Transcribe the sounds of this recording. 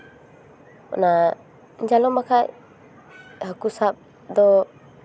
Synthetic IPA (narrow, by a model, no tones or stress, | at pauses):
ɔ̰na | nd͡ʒalɔmakʰaj | hakusap̚ | d̪ɔ